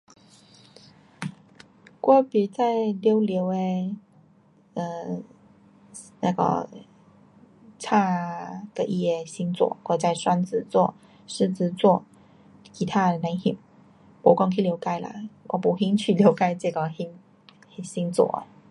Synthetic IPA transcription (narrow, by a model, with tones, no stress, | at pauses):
kwɔ˥˩pi˨˩t͡sa˥˩ɪljo˧˥ʊljo˧˥ʊe˧ | ə˧˩ | na˥˩ɡə̰˧˩ | t͡sʰa˥˩d̪̥ə˨ʔi˥˧jɛ˥˩ɕi˥ŋt͡swɔ̰˨˩˦kwɔ˥˩t͡sa˥˩ɪswa˥nt͡sɹ̩˧˩t͡swɔ˥˩ | ʂɻ̩˥˧t͡sɹ̩˧t͡swɔ˥˧ | kʰi˧˥t̪ʰa˥˨na˧˥ŋhi˧˥ŋ | pɔ˨˧˥kɑ˥˧ŋkʰe˧˥˧jo˧˥ʊka˥ɪlə̰˨˦wɔ̰˨˧˩pu˨˥ɦi˥nt͡ɕʰy˥˩ljo˧˥ʊka˧ɪʈ͡ʂə˥˧˩ɡə˨˩hi˧˥ŋ˧ | ɕi˧˥ŋt͡swɔ̰˨˩˦